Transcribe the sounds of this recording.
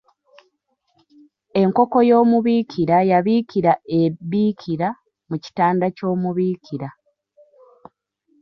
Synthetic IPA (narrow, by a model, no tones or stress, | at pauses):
e̞ŋko̞ko̞jo̞ːmuβiːcʰiɾajaβiːciɾaeβiːcʰiɾa | muci̥taːndaco̞ːmuβiːcʰiɾa